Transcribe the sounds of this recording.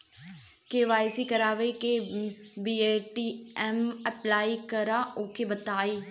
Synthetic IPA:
keʋaːjsiːkəɾaːʋeːke | biːeːʈiːɛməplaːiːkəɾaːoːkʰeːbət̪aːiː

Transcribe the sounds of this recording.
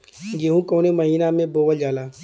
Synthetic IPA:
ɡeɦũkoːnemɐɦiːnamẽboːʋəld͡ʒaːlaː

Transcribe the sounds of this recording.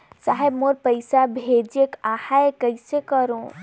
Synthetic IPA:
saɦebmoɾpəɪsabʱed͡ʒekahaekəɪsekəɾõ

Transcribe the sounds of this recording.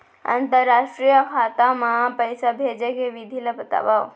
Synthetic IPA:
ə̰nt̪əɾːaʂʈɾijəkʰaːt̪amãpəjsabʱed͡ʒəkeʋid̪ʱiləbət̪a̰ʋaʋ

